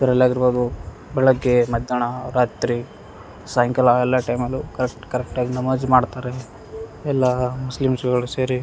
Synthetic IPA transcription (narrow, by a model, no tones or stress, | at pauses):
ɡɐɾɐlaːɡiɾboːd̪u | bɛɭɐɡːemɐd̪ʱjaɳaɾaːt̪ɾi | saːjɐŋkɐlaɛlːaːʈɐjmɐlːukɐɾekʈkɐɾɛk̚ʈaːɡinɐmɐd͡ʒmaːɖt̪aːɾe | ɛlːamuslimsɡɐɭuseːɾi